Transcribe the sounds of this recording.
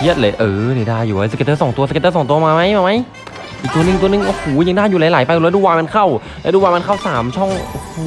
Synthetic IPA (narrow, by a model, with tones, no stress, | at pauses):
hi˧˩ət̪̚lɤː˧˩jʔɤː˧˩ni˧˩daː˧˩jːuː˨˩wa˧˩se˧t̪ɤː˥˩sɔ˩˦ŋt̪u˧sə˧t̪ɤː˥˩sɔː˩˦ŋt̪u˧ɐ˧maː˧ma˦˥jmaː˧ma˦˥j | ʔiː˨k̚t̪nɯ˨˩ŋ˨t̪u˧nɯ˧˨˩ŋʔɔ˧˩huː˩˦ja˧ŋdaː˥˩juː˨˩laː˨˦jlaː˨˦jpa˧jlɛ˦˥duː˧waː˧ma˧nkʰa˥˩w | lɛ˦˥duː˧waː˧jma˧nkʰa˥˩wsaː˩˦mt͡ɕʰɔ˥˩ŋ˧h